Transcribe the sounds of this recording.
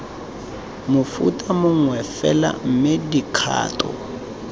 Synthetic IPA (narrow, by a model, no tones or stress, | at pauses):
mʊfṵtʼamʊŋwɛfɛla̰m̩mɪdikʰa̰ːtɔ̰